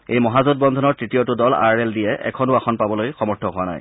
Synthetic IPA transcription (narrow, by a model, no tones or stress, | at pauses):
ejmɔɦazɔd̚bɔnd̪ʱɔnɔɹtɹitijotudɔla̰ɹɛldijɛʔɛ̰kʰɔnʊaxɔnpabɔlojxɔmɔɹtʰɔɦʊwana̰j